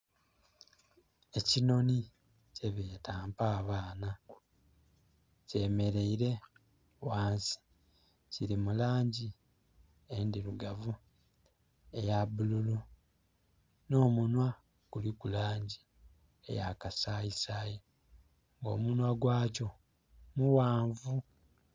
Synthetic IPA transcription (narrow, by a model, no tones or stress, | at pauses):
e̞cino̞ni | ce̞βeːtaːmpaːβaːna | ce̞ːme̞ɾe̞iɾe̞ | waːnsi̥ | ciɾimulaːɲɟi | endiɾuɡavu | ejaβululu | no̞ːmunwa | kulikulaːɲɟi | e̞̰jakasaːisaji | ŋɡo̞̰ːmunwaɡwaːco̞ | muwaːɱvu